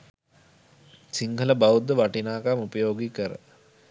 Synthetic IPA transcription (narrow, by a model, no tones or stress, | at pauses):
siŋɡʱələbaud̪əʋaʈinaːkamupəjoːɡikəɾə̰